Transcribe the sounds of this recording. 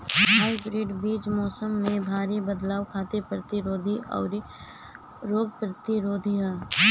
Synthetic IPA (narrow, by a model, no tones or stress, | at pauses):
ɦaːibɾeːɖbiːd͡ʒmɔːsəmːẽbʱaːɾibəd̪laːʋkʰaːt̪epɾɐt̪ɪɾoːd̪ʱiʔɔ̰ːɾiː | oːb̚pɾət̪ɪɾoːd̪ʱia